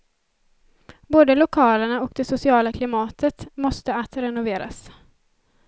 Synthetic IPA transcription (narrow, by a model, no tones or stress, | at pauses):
boːd̪əlʊkʰɑːləɳaɔkd̪ɛsʊsɪɑːlakʰlɪmɑːt̪ʰət̪mɔst̪əat̪ɾɛnʊveːɾa̰s